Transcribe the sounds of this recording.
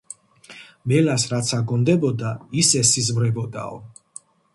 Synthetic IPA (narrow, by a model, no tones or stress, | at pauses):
mɛlasɾat̪sʰaɡɔnd̪ɛbɔd̪aisɛsizvɾɛbɔd̪a̰ɔ